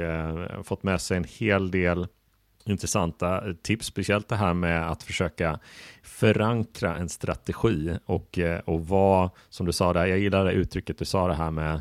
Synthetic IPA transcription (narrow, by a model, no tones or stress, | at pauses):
fɔt̪ːmɛːsɛjɛnheːld̪eːl | ɪnt̪ɾɛsant̪at̪ʰɪpsːpɛsɪɛlt̪̚d̪ɛɦæːɾmɛat̪fœʂøːkafœɾaŋkɾaʔɛnst̪ɾat̪ɛɧiːɔkɔva | sɔmd̪ɵsɑːd̪ɛjaːɡjɪlːad̪ɛʔʉ̟ːt̪ʰɾʏkːət̪̚d̪ɵsɑːd̪ɛɦæːɾmɛ